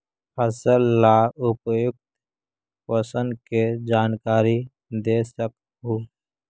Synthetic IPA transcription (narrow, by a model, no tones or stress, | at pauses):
pʰəsəlːaʊpjʊk̚t̪ | pəsənked͡ʒaːnkaːɾi | d̪esək̚ | ɦuː